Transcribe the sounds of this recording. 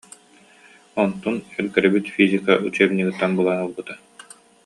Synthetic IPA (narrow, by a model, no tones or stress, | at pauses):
ɔnt̪unɛɾkɛɾɛbit̪fizikaʔut͡ɕɛmniɡɯt̪ːanbɯlˠanulˠbɯt̪a